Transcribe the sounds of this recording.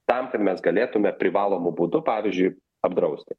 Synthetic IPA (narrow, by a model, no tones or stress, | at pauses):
t̪ɐmkɐt̪mʲɛsɡɐlʲeːt̪ʊmʲɛpʲɾʲɪʋɑːlˠoːmʊbuːd̪ʊpɑːʋʲɪzʲd͡ʒʲʊɪ | ɐbd̪ɾɐʊsʲt̪ʲɪ